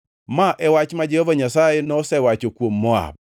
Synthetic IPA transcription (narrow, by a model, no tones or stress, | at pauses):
maʔɛwat͡ʃmad͡ʒehovaɲasajenɔsɛwat͡ʃokwomːɔa̰